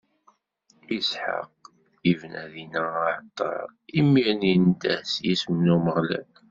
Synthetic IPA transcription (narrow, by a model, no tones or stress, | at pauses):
isħə̰q | ivnʔæðinæaʕt̪ˤːɑ̰ɾimːiɾnind̪æsjismnuməʁlæ̰n